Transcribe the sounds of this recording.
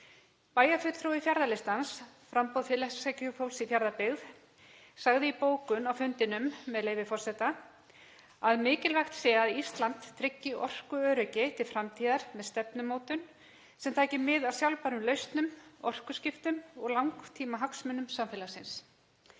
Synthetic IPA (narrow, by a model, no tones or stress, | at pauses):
paːjafʏt̪θɾowɪfjaɾðalɪst̪ansfɾampɔwðfɪlɛsacʏfowlsifjaɾðapɪɣð | saɣðɪipoːwkʏnawfʏnt̪ɪnʏmːɛðlejvɪfɔr̥sɛt̪a | aðmɪːcɪlvajxt̪sɛːaðist̪lant̪ʰːɾɪcːɪʔɔ̰r̥kʏœːɾʏcɪt̪ʰɪlfɾamt̪ʰiːðaɾ̥mɛðst̪ɛpnʏmoːwt̪ʏn | sɛmt̪ʰaːjcɪmɪðawsjawlpaɾʏmlœɥst̪nʏmɔr̥kʏscɪft̪ʏmɔɣlawŋkt̪ʰiːmaɦaksmʏnːʏmsamfɛːlasɪns